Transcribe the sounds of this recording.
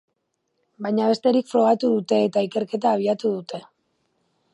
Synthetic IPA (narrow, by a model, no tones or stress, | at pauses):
bajɲaβ̞e̞st̪e̞ɾikfɾo̞ɣ̞at̪uðut̪e̞ːt̪aike̞ɾke̞t̪̬aːβ̞iat̪uðut̪e̞